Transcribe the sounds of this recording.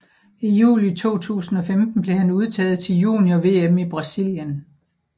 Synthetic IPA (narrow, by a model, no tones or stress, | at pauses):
ijṵːlit͡sʰo̝̰ːt͡sʰṵːsn̩ɒ̽femd̥n̩b̥le̝hænuð̞ˠt͡sʰɛ̰ːð̞̩ˠt͡sʰe̝ljṵːnjɒʋe̝̰ːemib̥ʁɑ̈sil̰jən